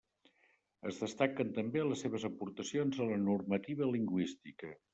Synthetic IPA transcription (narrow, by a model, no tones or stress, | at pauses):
əzðəst̪akənt̪əmbeləsːeβ̞əzəpuɾt̪əsionzələnurmət̪iβ̞əliŋɡwist̪ikə